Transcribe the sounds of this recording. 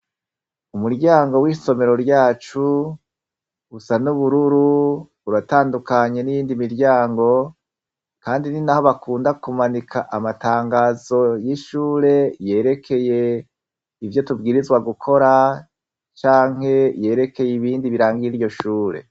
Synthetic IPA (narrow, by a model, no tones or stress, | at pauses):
umuɾɟaːŋɡo̞wiːso̞me̞ɾo̞ɾɟaːt͡ʃu | usanuβuɾuɾu | uɾataːndukaɲe̞nijiːndimiɾɟaːŋɡo̞ | kaːndininaho̞βakuːndakumanikʰaʔamataːŋɡaːzo̞jiʃuːɾe̞je̞ːɾe̞kʰe̞je̞ | ivjo̞tubɡiːɾizɡwaɡukʰo̞ɾa | t͡ʃaːŋ̥he̞je̞ːɾe̞kʰe̞jiβiːndiβiɾaːŋɡiiɾjo̞ʃuːɾe̞̰